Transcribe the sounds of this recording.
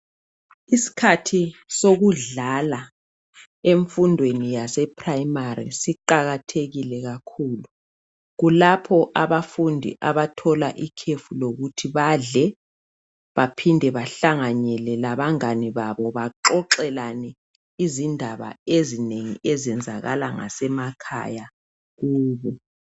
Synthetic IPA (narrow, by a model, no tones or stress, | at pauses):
isi̥kʰatʰisoɣuɮala | eɱfundʱwenijasɛpʰraimaɾḭsiǃaɣatʰeɣilɛɣakʰuːlu | ɣulapʰɔʔaβafundʱḭʔaβatʰɔlaʔikʰefuloɣutʰiβaɮɛ | βapʰindʱɛβaɬaŋaɲɛlɛlaβaŋaniβaβɔβaǃɔǃɛlanɛ | izindʱaβa̰ezineŋiezɛnd͡zʱaɣalaŋa̰sɛmakʰa̰ja | ɣuːβɔ